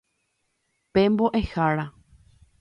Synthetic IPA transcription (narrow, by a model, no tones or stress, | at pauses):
pemboʔehaɾa